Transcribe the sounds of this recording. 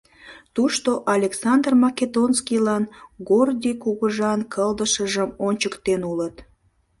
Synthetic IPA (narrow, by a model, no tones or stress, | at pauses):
t̪uʃt̪oʔɑlʲeksɑnd̪rmɑked̪onskilɑnɡord̪ʲikuɣəʒɑnkʰəld̪əʃəʒəmonʲt͡ɕəkt̪enulət̪